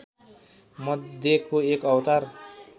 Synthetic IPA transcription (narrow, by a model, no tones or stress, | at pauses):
mʌd̪ʱjekoekʌwt̪aɾ